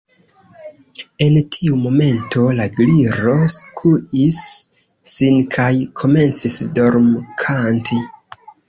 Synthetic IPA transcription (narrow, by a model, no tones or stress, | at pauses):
e̞ntʰiumo̞me̞ntʰo̞laɡliɾo̞skʰuʔisː | inkʰajkʰo̞me̞nt͡sisdo̞ɾmkʰantʰi